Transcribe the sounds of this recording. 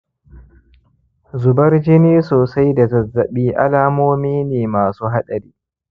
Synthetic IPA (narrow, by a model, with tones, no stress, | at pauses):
zʊ˨bɐ˦rd͡ʒɪ˦niː˦soː˨sa˦jda˨zɐ˨zːɐ˨ɓiː˦ʔa̰˦laː˦moː˦miː˦neː˨maː˨suː˦ɦa˦ɗɐ˨ɾiː˦